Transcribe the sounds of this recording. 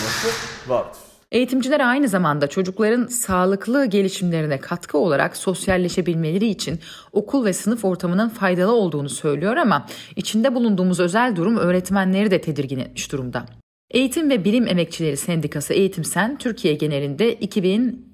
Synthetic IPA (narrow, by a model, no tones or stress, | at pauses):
e̞jit̪ʰimd͡ʒilʲɛɾajnɯzamand̪at͡ʃʰo̞d͡ʒuklˠaɾɯnsaːlˠɯklˠɯːɟe̞lʲiʃimlʲe̞ɾinɛkʰat̪kʰɯo̞lˠaɾa̰kso̞sjalʲːe̞ʃe̞bilʲme̞lʲe̞ɾiːt͡ʃʰin | o̞kʰulˠvɛsɯnɯfo̞ɾt̪ʰamɯnɯnfajd̪alˠɯo̞lˠd̪uːnusø̞jlʲijo̞ɾamait͡ʃʰind̪ɛbulˠund̪uːmuzø̞zælʲd̪uɾumø̞ːɾɛt̪mænlʲe̞ɾid̪ɛt̪ʰe̞d̪iɾɟinḛiʃd̪uɾumd̪a̰ | e̞jit̪ʰimvɛbilʲime̞mɛc̚t͡ʃʰilʲe̞ɾisɛnd̪ikʰasɯʔe̞jit̪ʰimsænt̪ʰyɾcʰijɛɟe̞ne̞ɾʲind̪ɛʔicʰibin